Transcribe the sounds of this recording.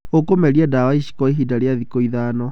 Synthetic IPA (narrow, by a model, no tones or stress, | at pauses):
okomɛɾiadawaiʃi̥kɔiɦiːdaɾeaðikoiðaːnɔ